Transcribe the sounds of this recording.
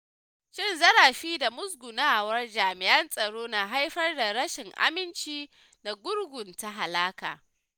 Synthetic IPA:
ʃɪ˦˨nzɐ˦ɽa˨ɸiː˦da˨mʊ˦s̬ɡʷʊ˨naː˦wɐ˦rd͡ʒaː˨mɪ˨ʔɐ˦nsʼɐ˨ɽoː˦naː˨ɦa˦jɸɐ˦rda˨ɽɐ˦ʃɪ˨ŋʔa̰˦mɪ˦nt͡ʃiː˦ | na˨ɡʷʊ˦rɡʷʊ˨nta˦ɦa˨laː˦ka̰ː˨

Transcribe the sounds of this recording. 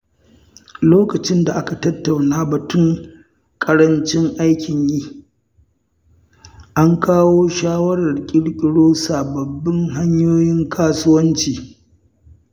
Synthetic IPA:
loː˦kɐ˨t͡ʃɪ˦nda˨ʔa˦ka˨tɐ˦tːa˨wnaː˦bɐ˨tʊ˦ŋ | kʼɐ˦ɾɐ˦nt͡ʃɪ˦ŋʔa˦jkʲʰɪ˨ɲjiː˦ | ʔa˦ŋkaː˦woː˦ʃaː˦wɐ˦ɽɐ˨rkʲʼɪ˦ɽkʲʼɪ˦ɽoː˦saː˨bɐ˨bːɪ˦ŋɦa˦ɲjoː˦jɪ˦ŋkʰaː˦sʊ˦wɐ˦nt͡ʃiː˨

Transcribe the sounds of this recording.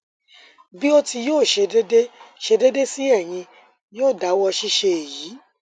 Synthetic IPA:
bi˦o˦ti˧joː˦˨ʃe˧de˦de˦ʃe˧de˦de˦si˦ɛ˦˨j̃ĩ˧ | joː˦˨da˨˦wɔ˧ʃi˦ʃe˧e˨jiː˨˦

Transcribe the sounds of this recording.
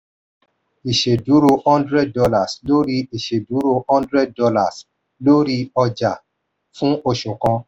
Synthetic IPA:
i˨ʃe˨du˨˦ɾo˧hɔ̃˦ndɾɛ˦d̚dɔ˧la˨slo˦ɾi˧i˨ʃe˨du˨˦ɾo˧ɔ̃˦ndɾɛ˦d̚dɔ˧la˦˨s | lo˦ɾi˧˦ɔ˧d͡ʒa˨ | fũ˦o˧ʃu˨kɔ̃˧

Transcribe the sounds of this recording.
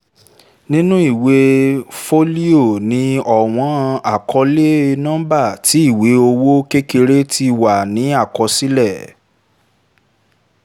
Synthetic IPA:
nĩ˦nũ˦i˦˨we˨˦fo˦li˦o˦˨nĩ˧˦ɔ˨w̃ɔ̃˦˧a˨kʰɔ˧le˦˧nã˦ba˦˨ti˨˦i˦˨we˨˦o˧wo˦ke˦ke˧ɾe˦tʰi˧˨wa˨nĩ˨˦a˦˨kɔ˧si˦lɛ˦˨

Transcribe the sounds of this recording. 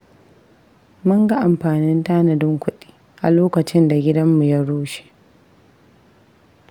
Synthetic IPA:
mʊ˦ŋɡa˦ʔa˨mɸaː˨nɪ˦ntaː˦nɐ˨dɪ˦ŋkʷʊ˦ɗi̥ː˦ | ʔa˨loː˦kɐ˨t͡ʃɪ˦nda˨ɡʲɪ˦dɐ˦mːu˨ja˦ɽoː˦ʃe̥˨ʔ

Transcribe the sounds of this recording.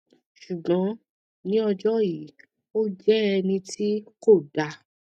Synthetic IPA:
ʃu˨ɡ͡bɔ̃˨˦ | nĩ˦ɔ˧d͡ʒɔ˦ji˨˦ | o˦d͡ʒɛ˦ɛ˧nĩ˧tʰi˦ko˦˨da˧˨

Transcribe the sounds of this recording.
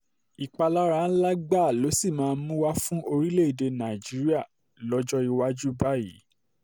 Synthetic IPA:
i˨k͡pa˧la˦ɾã˦˧˦n̩˦la˦ɡ͡ba˦˨lo˨˦si˦˨mãː˦˧n̩˦mũ˦wa˦fũ˦o˧ɾi˦le˦˨i˨de˧nã˨d͡ʒi˨˦ɾi˦a˦˨ | lɔ˦d͡ʒɔ˦i˧wa˦d͡ʒu˦ba˦jḭ˨˦

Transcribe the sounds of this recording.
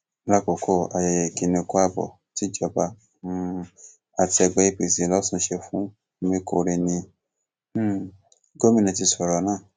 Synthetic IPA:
la˦ko˨kʰo˦˨a˨jɛ˨jɛ˨ki˧nĩ˧ko˦a˦˧bɔ̰˨ | ti˨˦d͡ʒɔ˨ba˧˦ | a˨ti˧ɛ˧ɡ͡bɛ˧˦i˧˨pi˨si˨˦˨lɔ˦sũ˦˧˦ʃe˧fũ˦˧ | mĩ˧ko˧˨˧ɾe˧nĩ˧˦˨ | ɡo˦mĩ˦˨nĩ˧˨t̬i˧sɔ˨ɾɔ˧˨˦nãː˦˨

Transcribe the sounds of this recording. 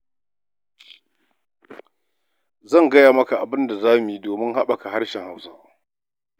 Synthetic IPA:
zɐ˦˨ŋɡɐ˦jaː˨mɐ˦ka˨ʔa˨bɪ˦nda˨zaː˦mi˨ji˦˨doː˨mɪ˦ŋha˦ɓa˨ka˨ha˦ɽʃɛ˨ŋha˦wsaː˦

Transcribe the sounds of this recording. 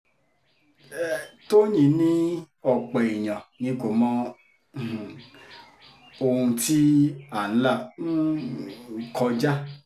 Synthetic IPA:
to˦ɲĩ˨˦nĩ˦ | ɔ˨k͡pɛ˨i˨j̃ã˨nĩ˨˦ko˨mɔ̃˧˨ | o˧ũ˧ti˦a˨n̩˦la˦˨˦ | kɔ˧d͡ʒa˦

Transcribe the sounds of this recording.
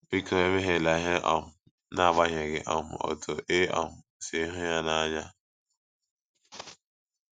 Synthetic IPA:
bi˦ko˨e˦me˦ɦe˨la˨ɦe˦ʔɔ˨mʊ˨ | na˦a˨ɡ͡ba˦ɦe˨ɡɪ̰˨ʔɔ̰˨mʊ˨ɔ̰˨tʰo˨ʔe˦ɔ̰˨mʊ˨se˨˦ɦʊ˦ja˦na˦ɲa˦

